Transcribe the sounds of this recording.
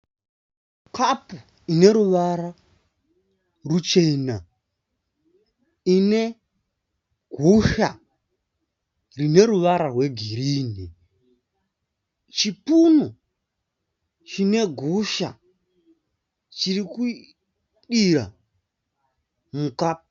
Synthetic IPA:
kʰapu | ine̞ɾuʋaɾa | rut͡ʃe̞na | ine̞ | ɡʱuʃa | rine̞ɾuʋaɾarwe̞ɡʱiɾiːni | t͡ʃipuno | t͡ʃine̞ɡʱuʃa̰ | t͡ʃiriku | ɗiɾa̰ | mukaːp̚u

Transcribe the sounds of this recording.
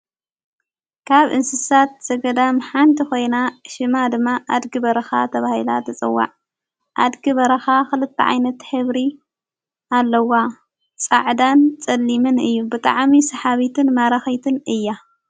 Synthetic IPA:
kʰaβʔɨnsɨsat̪̚z̥ɐɡɐd̪amħant̪ʰixo̞jnaʃɨmad̪ɨmːaʔad̪ɡɨβɐɾɐxa̰t̪ʰɐβahilat̪ʰɐt͡sʼɨ̰wːa̰ʕ | ʔa̰d̪ɡɨβɐɾɐxaxɨlɨt̪ʰːɐ̰ʕa̰jnɐt̪ħɨβɾi | alːɐwa | t͡sʼa̰ʕd̪ant͡sʼɐlːimɨnɨjːubɨt̪ʼa̰ʕmisɐħaβit̪ʰɨnmaɾaxɐjt̪ʰɨnɨjːa

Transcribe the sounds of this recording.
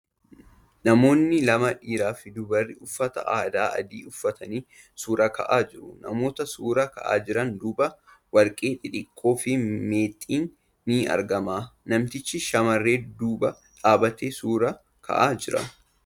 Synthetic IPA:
nɐmo̞ːnːɪlɐmɐᶑiːɾaːfɪd̪ʊbɐrːɪʊfːɐt̪ɐ̰ʔaːd̪aːʔɐ̰d̪iːʊfːɐt̪ɐniː | suːɾɐkɐ̰ʔaːd͡ʒɪɾʊnɐ̰mo̞ːt̪ɐsuːɾɐkɐ̰ʔa̰ːd͡ʒɪɾɐnd̪uːbɐ | wɐlkʼeːt̪ʼɪᶑɪkʼːo̞ːfɪmeːt̪ʼːiːnː | ɪɐ̰ɾɡɐmaːnɐmt̪ɪt͡ʃːɪʃɐmɐrːe̞ːd̪uːbɐ | ᶑaːbɐt̪eːsuːɾɐ | kʰɐ̰ʔaːd͡ʒɪɾɐ̰

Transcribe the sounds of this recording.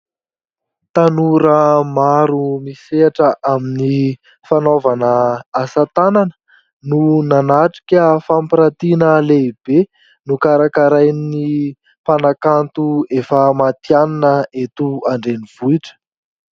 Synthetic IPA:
t̪anuɾəmaɾumiseaʈ͡ʂəʔamini | fanovanəːsat̪ananə̥ | nunanaʈ͡ʂi̥kʲəfampiɾat̪inəleib̥e | nukaɾakaɾajni | panakant̪uefamat̪janinəet̪uaɳɖ͡ʐeniv̥uiʈ͡ʂə̥

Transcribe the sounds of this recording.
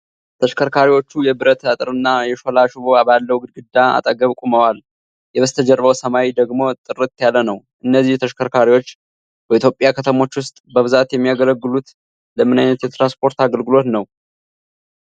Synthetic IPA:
t̪ʰəʃkʰəɾkʰaɾiwo̞t͡ʃːujɛbɨɾət̪ət̪ʼɨɾɨnːajɛʃolaʃɨβoabalːəwɡɨɡɨd̪ːaa̰t̪ʼəɡəβkʼuməwal | jɛβəst̪ʰəd͡ʒɛɾβəwsəmawid̪əɡmo̞t̪ʼɨɾɨt̪jalːənəw | ʔɨnːəzːiht̪ʰəʃkʰəɾkʰaɾiwo̞t͡ʃː | bəit̪jo̞pʼjakʰət̪ʰəmo̞t͡ʃːwʊst̪ʼbəβɨzat̪jɛmːijaɡələɡːɨlut̪ | ləmɨnajnət̪jɛt̪ɾanspʰo̞ɾt̪aɡəlɡɨlo̞t̪nəw

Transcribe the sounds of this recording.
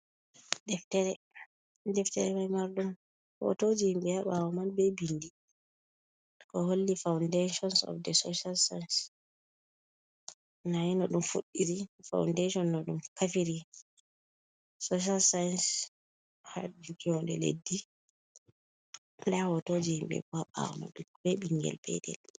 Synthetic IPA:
dɛftɛɾɛ | dɛftɛɾɛmajmaɾɗum | hɔ̰tod͡ʒihimbɛaɓawɔmanbɛjbindi | kɔɦolːifawndeʃɔnsɔ̰fdɛsoʃalsajns | najinɔɗumfuɗːiɾifa̰wndeʃɔnːɔɗumkafiɾi | soʃ̬alsajns | ha̰d͡ʒukiɔndɛlḛdːi | ndahɔtod͡ʒihimɓɛ̰kɔaɓa̰wɔ̰ma̰nɗbɛbiŋɡɛ̰lpʰɛ̰dɛ̰l

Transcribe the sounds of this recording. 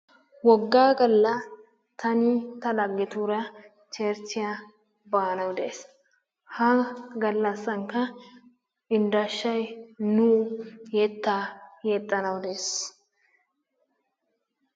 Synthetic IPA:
wɔɡːaːɡɐlːɐ | t̪ʰɐnit̪ɐɗɐɡːɪt̪uːɾɐ | t͡ʃeːɾt͡ʃːɪja | baːnɐwd̪ɛs | hɐɡɐlːɐsːɐŋkɐ | ɪnd̪aʃːɐjnujɛt̪ːaːjɛt̪ʼːɐnɐwd̪es

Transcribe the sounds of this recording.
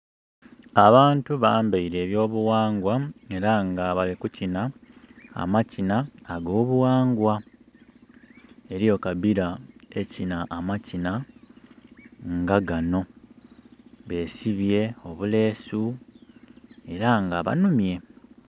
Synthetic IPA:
aβaːntuβaːmbaiɾe̞ːβjo̞ːβuwaːŋɡwae̞ɾaŋɡaβalikucina̰ː | macinaːɡo̞ːβuwaːŋɡwa | e̞ɾijo̞kabiɾae̞cinaʔːmacina | ŋɡaɡano̞ | βe̞ːsiβje̞o̞βule̞ːsu | e̞ɾaŋɡaβa̰numje̞

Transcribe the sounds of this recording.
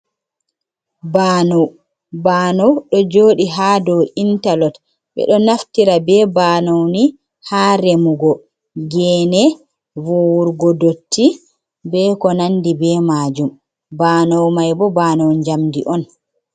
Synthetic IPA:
baːnɔw | baːnɔwɗɔd͡ʒoːɗiɦaːdɔwintalɔt | bɛ̰ɗɔnaftiɾabɛbaːnɔwni | haːɾemuɡɔ | ɡɛːnɛ | vowuɾɡɔdotʰːi | bɛkɔnandibɛːmaːd͡ʒum | baːnɔwmajbɔbanɔwɲd͡ʒamdiʔɔn

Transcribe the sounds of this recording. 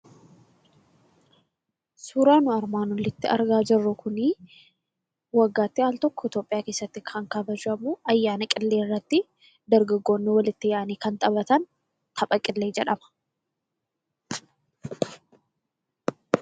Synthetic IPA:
suːɾaːnʊɐɾmaːnwɔlɪt̪ːɪɐ̰ɾɡaːd͡ʒɪrːʊkʊni | wɐɡːaːt̪ːɪaːlt̪ɔkːɔɪt̪o̞ːpʼɪjaːke̞ːsːɐt̪ːɪkʰɐŋkɐbɐd͡ʒɐmʊɐjːaːnɐkʼɪlːe̞ːrːɐt̪ːɪ | d̪ɐɾɡɐɡːo̞ːnːɪwɐlɪt̪ːɪjaʔɐniːkɐnt̪ʼɐbɐt̪ɐn | t̪ʰɐpʼɐkʼɪlːe̞ːd͡ʒɛᶑɐmɐ̥

